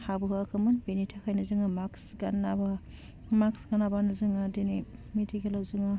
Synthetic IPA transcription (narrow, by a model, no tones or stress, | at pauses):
habuɦɯkʰɯmɯnbinitʰakʰajnɯzɯŋɯmaksɡanːaba | maksɡanabanɯzɯŋɯdinimitʰiɡelawzɯŋɯ